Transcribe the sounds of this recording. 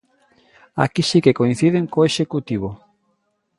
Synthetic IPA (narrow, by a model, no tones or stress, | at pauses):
a̰kisikekoĩn̟θiðeŋkoeʃekut̪iβo